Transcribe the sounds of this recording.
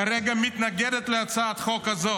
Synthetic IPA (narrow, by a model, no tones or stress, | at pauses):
aɾɛɡamɪt̪naɡɛdɛt̪lɪat͡saːt̪χɔkhazo